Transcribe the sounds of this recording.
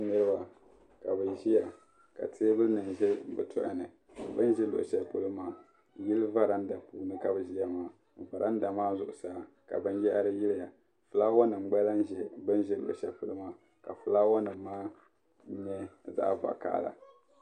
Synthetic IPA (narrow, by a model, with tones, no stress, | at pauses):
nɨ˦ɾɨ˦ba˨ | ka˨bɨ˨ʒi˦ja˨ | ka̰˨tʰe˦bɨ˦lnɨ˨nʒɛ˦bɨ̰˨tʰʊ̰˦ʔɪ̰˦nɨ˨ | bɨ˦n˦ʒɛ˦lo̰˨ʔʃɛ˦pu˦lɨ˦maː˨ | ji˦lva˦ɾa˦n̩˦da˨pṵː˦nɨ˦ka˨bɨ˨ʒi˦a˨maː˨ | va˨ɾʔa˦n˦da˨maː˦zʊ˨ʔʊ˨saː˨˦ | ka̰˨bɨ˦n˦jɛ˦ʔa˦ɾɨ˦ji˦lɪ˦ja˨ | fɨ˨la˦wɔ˦nɨ˨m˨ɡ͡bɛ˦la˦n˦ʒɛ˦bɨ˦n˦ʒɛ˦lo̰˨ʔʃɛ̰˨pu˦lɨ˦maː˦˨ | ka˨fɨ˨la˦wa˦nɨ˨m̩ːaː˦ | ɲɛ˦za̰˦ʔva̰˨ka̰˦la̰˨